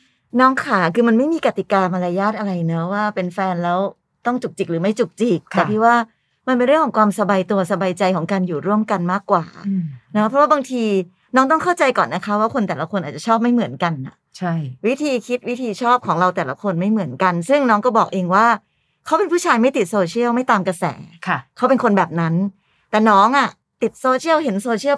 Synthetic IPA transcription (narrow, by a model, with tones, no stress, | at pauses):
nɔː˦˥ŋkʰaː˨˩˦kʰɯː˧ma˧nma˥˩jmiː˧ka˨˩t̪i˨˩kaː˧ma˧laː˧jːaː˥˩t̪̚ʔa˧ɾa˧jnɔ˦˥waː˥˩pe˧nfɛː˧nlɛː˦˥w | t̪ɔ˥˩ŋt͡ɕu˨˩k̚t͡ɕi˨˩k̚ɾɯː˩˦ma˥˩jt͡ɕu˨˩k̚t͡ɕi˨˩k̚t̪ɛː˨˩t̪ʰiː˧˩waː˥˩ | ma˧npe˧nɾɯ˥˩əŋkʰɔ˩˦kwaː˧msa˧baː˧jt̪u˧ɐsa˧baː˧jt͡ɕa˧jkʰɔː˩˦ŋkaː˧njuː˨˩ɾu˥˩əmka˧nmaː˥˩kːwaː˨˩n˧˦˥pʰɾɔ˦˥waː˥˩baː˧ŋt̪ʰiː˧ | nɔː˦˥ŋt̪ɔ˥˩ŋkʰa˥˩wt͡ɕa˧jkɔː˨˩nːa˦˥kʰa˦˥waː˥˩kʰo˧nt̪ɛː˨˩la˧˦kʰo˧nʔaː˨˩t͡ɕa˨˩t͡ɕʰɔː˥˩p̚ma˥˩jmɯ˩˦ənka˧nːa̰˨˩t͡ɕʰa˥˩jwi˦˥t̪ʰiː˧kʰi˦˥t̪̚wi˦˥t̪ʰiː˧t͡ɕʰɔː˥˩p̚kʰɔː˩˦ŋɾa˧wt̪ɛː˨˩la˦kʰo˧nma˥˩jmɯ˩˦ənka˧nsɯ˥˩ŋnɔː˦˥ŋkɔː˥˩bɔː˨˩k̚ʔeː˧ŋwaː˥˩ | kʰa˦˥wpe˧npʰuː˥˩t͡ɕʰaː˧jma˥˩jt̪i˨˩t̪̚soː˧t͡ɕʰi˥˩əwma˥˩jt̪aː˧mka˧sɛ̰ː˩˦kʰkʰa˦˥wpe˧nkʰo˧nbɛː˨˩p̚na˦˥n | t̪ɛː˨˩nɔː˦˥ŋʔa˨˩ | t̪i˨˩t̪̚soː˧t͡ɕʰi˥˩əwɦe˩˦nsoː˧t͡ɕʰi˥˩əw